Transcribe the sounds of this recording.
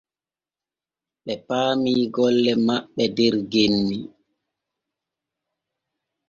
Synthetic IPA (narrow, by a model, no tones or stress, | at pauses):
ɓɛpaːmiːɡɔlːɛmaɓːɛdɛɾɡenːi